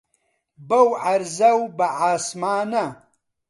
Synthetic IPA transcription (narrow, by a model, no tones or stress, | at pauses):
bɐwʕɐɾzɐwbɐʕaːsmaːnɐ